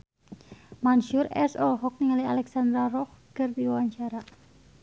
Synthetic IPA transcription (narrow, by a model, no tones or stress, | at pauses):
manʃurɛ̰sɔlɦɔk̚niŋalialɛksand̪ɾarɔhkɨrd̪iwawaɲt͡ʃaɾa